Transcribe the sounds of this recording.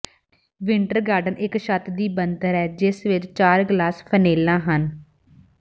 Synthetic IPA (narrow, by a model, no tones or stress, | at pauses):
ʋɪɳʈəɾɡaːɾɖənɪkʃət̪d̪iːbənd̪əɾɛːd͡ʒɪsʋɪt͡ʃt͡ʃaːɾɡlaːspʰəneːlãːɦən